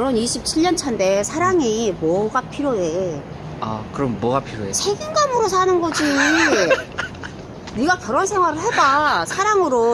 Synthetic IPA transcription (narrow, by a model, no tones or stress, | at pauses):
ɾʌniɕʰip̚t͡ɕʰiɭːʌnt͡ɕʰʌnde̞sʰaɾaŋimwʌɡapʰiɾjoe | a̰kɯɾʌmːwʌɡapʰiɾoesʰe̞ɡinɡamɯɾos̬ʰanɯnɡʌd͡ʑi | niɡakjʌɾʌnsʰe̞ŋwaɾɯɭɦe̞dasʰaɾaŋɯɾo